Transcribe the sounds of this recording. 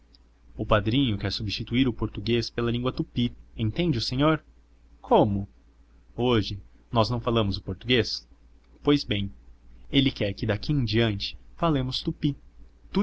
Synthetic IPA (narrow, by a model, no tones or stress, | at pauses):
ʊpad̪ɾĩɲʊkɛɾsubist͡ʃit̪uiɾʊpoɾt̪uɡespelɐlĩŋɡwɐt̪upiẽt̪ẽnd͡ʒɪʊsẽɲoɾ | kʰõmʊ | oʒɪ | nɔznɐ̃w̃falɐ̃mʊzʊpoɾt̪uɡes | pojzbẽj̃elɪkɛɾkɪd̪akʰiẽd͡ʒiɐ̃nt͡ʃɪ̥falẽmʊst̪upit̪u